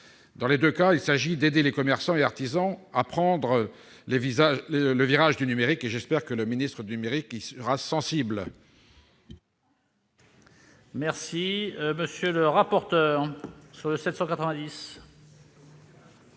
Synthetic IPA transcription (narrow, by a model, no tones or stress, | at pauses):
d̪ɑ̃led̪økailsaʒid̪ed̪elekɔmɛʁsɑ̃eaʁt̪izɑ̃apχɑ̃d̪ʁə | levizaeləviʁaʒd̪ynymeʁikeʒɛspɛʁkələminist̪χəd̪ynymeʁikisəʁasɑ̃sibl | mɛʁsiməsjøləʁapɔʁt̪œːʁsyʁləsɛt̪sɑ̃kat̪χəvɛ̃d̪is